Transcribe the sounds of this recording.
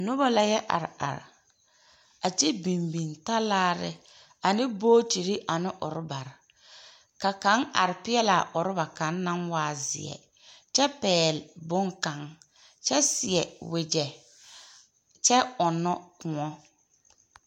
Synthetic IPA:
nʊ˦ba˦la˨jɛ˦ʔa̰˨ɾɪ˨a̰˨ɾɪ̰˨ | a˨t͡ʃi˦bi˨mbi˨nta˦laː˦ɾɪ̰˦ | a˨nɪ˦boː˦ti˨ɾi˦ʔa˨nɪ˦ʔʊ̰˨ɾɪ˦ba˨ɾɪ˨ | ka˨kã˨˦ŋa̰˨ɾɪ˨pɪ˦ɛ˦la˨ʔʊ˨ɾɪ˦ba˨ka˨˦nː˦a˦ŋwaː˦zɪ̰˨ɛ̰˨ | t͡ʃɛ˦pɛː˨lbʊ˦ŋka˨ŋ | t͡ʃɛ˦sɪ˨ɛ˨wɪ˨d͡ʒɛ˨ | t͡ʃɛ˦ʊ˨nːɔ˦kʊ˨ŋɔ˦

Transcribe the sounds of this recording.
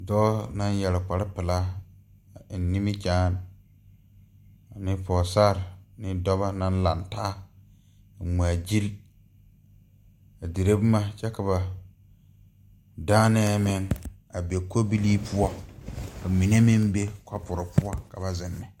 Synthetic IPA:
dɔː˦na˦n˦jɛ˨lɪ˨k͡pa˨ɾɪ˦pɪ˨la˦˨ | nːi˦mi˦t͡ʃaː˦n | a˨nɪ˦pʰɔː˨saː˦ɾnɪ˦dɔ˦βa˦na˦n˦la˨ntaː˦ | a˨m˨a˨d͡ʒi˦l | a˨di˨ɾe˦bma˦t͡ʃɛ˦ka˨βa˨ | daː˦nɛː˦mɪ˦ŋ | a˨be˨ko˦bi˦li˦pʰʊ˦a˦a˨mi˨ne˦mɪ˦mbe˦ka˦pʊ˨ɾɪ˨pʊ˦a˦ka˨ba˨zɪ˨nːɪ˨

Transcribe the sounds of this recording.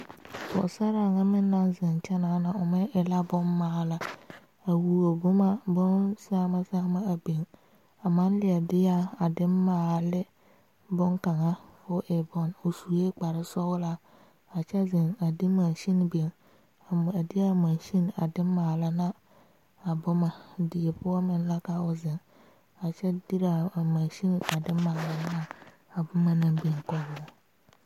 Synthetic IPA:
bɔ̰˨sa˦ɾa˨ŋa˦mɪ˦nːa˦nzɪ˨nt͡ʃa˦na˨na˨ʊ˨mɛ˦ʔɪ˨la˦bʊ˦nːaː˨˦la˨ | a˨wu˨o˨bʊ˦ma˦bʊ˦nsa˦ma˦sa˦ma˦a˨be˨ŋ | a˨ma˦n˦lɪ˦˨a˨dɪ˦ja˦a˨dɪ˦mːaː˨lɪ˦ | bʊ˦ŋka˨ŋa˦fʊ˦ʔɪ˨bɔ˦no˨su˨je˦k͡pa˨ɾɪ˦sɔ˦wla˦ | a˨t͡ʃɛ˦zɪ˨na˨di˦ma˨nʃi˦n˨be˨n | a˨m˨a˨dɪ˦a˦˨mã˨nʃi˦n˨a˨dɪ˦m˦maː˨la˦na˦ | a˨bʊ˦ma˨dɪ˨je˨pʊ˦a˦mɪ˨n˦la˦ka˦ʊ˨zɪ˨n | a˨t͡ʃɛ˦di˦ɾa˨a˨mã˨nʃi˦ni˨a˨dɪː˦a˨la˨n˦na˦ | a˨bʊ˦ma˨nã˨be˨ŋkɔ˦ɡɔ˨˦

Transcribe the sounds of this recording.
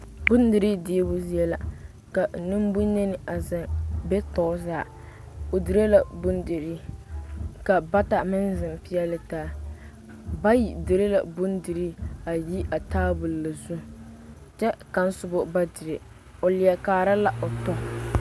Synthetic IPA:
bʊ˦ndɪ˨ɾi˦diː˦bʊ˦zi˦ɛ˦la̰˨ | ka˨nɪ˦m˦bʊ˦ɲe˦nɪ˨a˨zɪ˨ŋbɛ˦tɔ˨˦zaː˦˨ | o˨dɨ˨ɾe˦la˨bʊ˦ndɪ˨ɾi˦ | ka˨ba˦ta˨mɪ˦nzɪ˨m˨pi˦ɛ˦lɨ˦taː˦ | ba˦ji˨dɪ˨ɾe˦la̰˨bʊ˦ndɪ˨ɾi˦a˨ji˦ʔa˨taː˦bʊ˨lla˨zu˦ | t͡ʃɛ˦ka˦n˦sʊ˨bo˦ba˦dɪ˨ɾɪ˨ | o˨lɪ˨ɛ˨kaː˨ɾa˦la˦ʔo˨tɔ˦

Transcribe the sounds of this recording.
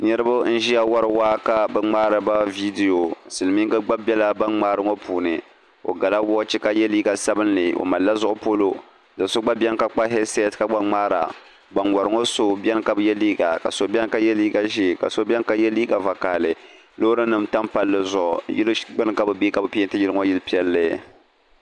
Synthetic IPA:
nɛ˦ɾɨ˦ba˦n̩˦ʒi˦ja˦wa˦ɾɨ˨waː˦ka˦bɛ˦ŋ͡maː˦ɾɨ˨ba˦vi˦de˨jo˨sɨ˨lɨ˨mi˦ŋɡɨ˦ɡ͡ba˦bɛ˦la˦ba˦nŋ͡maː˦ɾɨ˦ŋo˦pʰuː˨nɨ˨ | o̰˨ɡa˨la˦wɔ˦t͡ʃi˦ka˦jɛ˦liː˦ɡa˨sa˦bɨ˦n˦lɨ˨ʔo̰˨ma˨lːa˦zʊ˦ʔʊ˦po˦lo˦ | dɨ˨so˦ɡ͡ba˦bɛ˦n˦ka˦k͡pa˦ɦɛ˦se˦˨tka˦ɡ͡ba˦ŋ͡maː˦ɾa̰˨ | ba˨nwa˨ɾɨ˨˦ŋo˦so˦bʲɛ˦n˦ka˦bɨ˦jɛ˦liː˦ɡa̰˨ka̰˨so˨bʲɛ˦n˦ka˦jɛ˦liː˦ɡa˨ʒi˦˨ka̰˨so˦bʲɛ˦n˦ka˦jɛ˦liː˦ɡa˨va˨ka˨lɨ˨ | lo˦ɾɨ˦nɨ˨mta˦mpa˦lːɨ˦zʊ˨ʔʊ˨jɪ˦lɡ͡bɨ˦nɨ˦ka˦bɨ˨bi˦ka˦bɨ˦pi˦ɛ˦n˦tɨ˦jɪ˦lɨ˦ŋo˦jɪ˦lpi˦ɛ˦lːɨ˨

